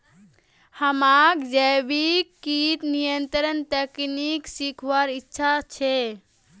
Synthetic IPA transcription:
həmakd͡ʒəbikːit̪nijənt̪ɾənt̪əkniksikʰʋaɾitːʃʰat͡ʃʰe

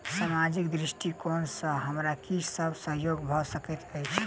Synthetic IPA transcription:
samad͡ʒikd̪ɾisʈikonsə̃ɦəmɾakisəbʱsəɦjoɡbʱɔsəkɛt̪əjt͡ʃʰ

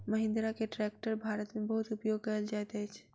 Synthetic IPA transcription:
məɦɪ̃nd̪ɾakeʈɾɛk̚ʈəɾbʱaɾət̪mebəɦut̪upjoɡ̚kəəld͡ʒaet̪ɛt͡ʃʰ

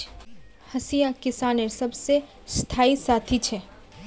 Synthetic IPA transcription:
hɐsijakɪsaːnesɐbse | st̪ʰaːisaːt̪ʰit͡ʃʰɛ

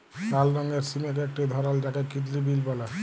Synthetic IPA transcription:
talːɔŋɡeɾsimek̬ek̚ʈid̪ʱɔɾald͡ʒakekit̪libilbɔla

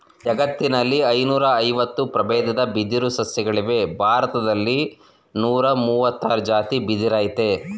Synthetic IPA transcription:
ɛɡɐt̪ːinɐlːiɐjnuːɾɐːjʋɐt̪ːupɾɐbɛːd̪ɐd̪ɐbid̪iɾusɐsjɐɡɐɭiʋe̞bʱaːɾɐt̪ɐd̪ɐlːi | nuːɾɐmuːʋɐt̪ːaːɾɐd͡ʒaːt̪ibid̪iɾaːjt̪e̞

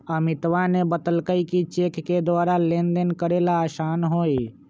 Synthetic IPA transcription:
əmɪt̪ʋanebət̪əlkəikit͡ʃeːkːed̪waːɾalẽːnd̪ənkəɾeːlaʃaːnɦoːi

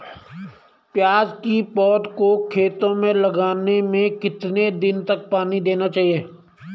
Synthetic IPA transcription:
pjaːd͡ʒkipɔːd̪kokʰeːt̪õmẽlɐɡaːnemẽkɪt̪ned̪ɪnt̪ɐk̚paːnid̪eːnat͡ʃaːɦieː

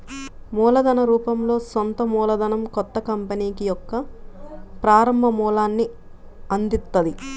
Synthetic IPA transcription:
muːlɐd̪ɐnɐɾuːpɐmlo̞ːsont̪ɐmuːlɐd̪ɐnɐmkɔt̪ːɐkɐmpɐniːkijɔkːɐ | pɾaːɾɐmbʱɐmuːlaːnːi | ɐnd̪it̪ːɐd̪i

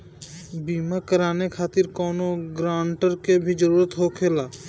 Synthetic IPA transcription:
biːmakəɾaːnekʰaːt̪ɪɾkɔːnoɡɾaːɳʈəɾkebʱid͡ʒəɾuːɾət̪ɦokʰeːlaː

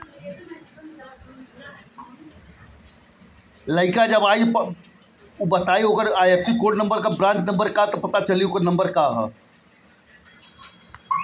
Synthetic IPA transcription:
ləɪkad͡ʒɐbaːj | ubɐt̪aːioːɡəɾaːjefsikoːɖnɐ̃mbəɾkabɾãːnt͡ʃnɐ̃mbəɾkat̪ɔpɐt̪at͡ʃɐliokəɾnɐ̃mbəɾkaɦ

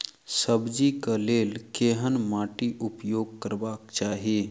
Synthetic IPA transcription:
səbd͡ʒikəlelkeɦənmaʈiʔupjoɡ̚kəɾbakt͡ʃaɦi

